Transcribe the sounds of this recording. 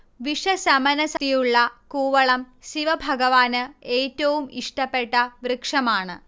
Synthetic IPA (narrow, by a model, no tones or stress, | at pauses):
ʋiʂɐsɐmɐnɐsɐt̪ijuɭːɐkuːʋɐɭɐm | siʋɐbʱɐɡɐʋaːnɨe̞ːtːɐʋumiʂʈɐpːe̞ʈːɐʋrɨkʂɐmaːɳɨ̰